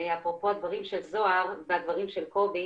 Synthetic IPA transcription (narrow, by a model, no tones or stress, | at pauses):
eapʁopo̞ad̪vaʁimʃelzo̞aʁvead̪vaʁimʃe̞lko̞bi